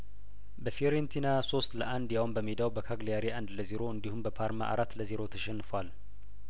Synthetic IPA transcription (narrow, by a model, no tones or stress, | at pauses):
bəfioɾent̪ʰinaso̞st̪ləʔand̪jawumbəmed̪awbəkʰaɡleaɾiʔand̪ləziɾo̞ɨnd̪ihumbəpʰaɾma̰ʔa̰ɾat̪ːləziɾo̞t̪ʰəʃɛnːfwal